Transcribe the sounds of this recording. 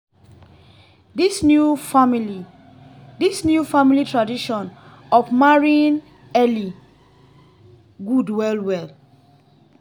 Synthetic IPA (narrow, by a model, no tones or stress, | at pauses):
disnjufamili | disnjufamilitʰɹadiʃɔ̃n | ɔfmaɹĩn | ɛli | ɡudwɛlwɛl